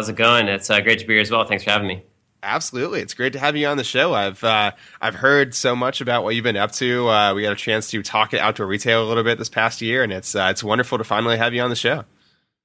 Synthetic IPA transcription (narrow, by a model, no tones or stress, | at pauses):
zɨɡʌ̃nɪtsʌɡɹeɪtʰəbiɹɨzwɛlˠθæ̃ŋksfə˞hævɪ̃ŋmi | ʔæb̥səlʉtˡliɨtsɡ̥ɹeɪtːɨɦəvjɨə̃nðɨʃoʊaɪv̥ʌ | ʔaɪv̥hɜ˞dsoʊmʌt͡ʃɨbaʊʔ̚wʌt͡ʃɨvbɨ̃nʌp̚tʰʉʌwiɡɑɾɨt͡ʃʰæ̃nstʰɨtʰɔkɨ̃ɾʔa̰ʊtʰəəɹitʰeɪlˠəlɪɾl̩ˠbɪt̪̚ðɪspʰæst̚jɪɹɨ̃nɨtsʌɨtswʌ̃ndə˞fl̩ˠtəfãɪ̃nl̩ˠiəvjɨə̃nðɨʃoʊ